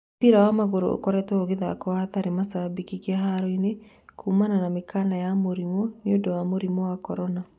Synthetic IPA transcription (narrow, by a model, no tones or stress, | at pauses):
piɾawamaɣoɾo̰o̰kɔɾɛtɛoɣeðakɔahataɾemasabikikiaɦaɾoine | kʰuːmananamekanajamoɾimɔnjodɔwamoɾimɔwakɔɾɔna